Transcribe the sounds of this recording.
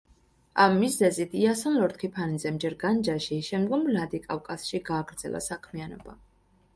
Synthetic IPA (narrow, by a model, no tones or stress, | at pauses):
amːizɛzit̪ʰiasɔnlɔɾt̪kʰipʰanizɛmd͡ʒɛɾɡand͡ʒaʃiʃɛmd̪ɡɔmlad̪ikʼafkʼasʃiɡaːɡɾd̪z̥ɛ̰lˠʔa̰sakʰmianɔ̰ba̰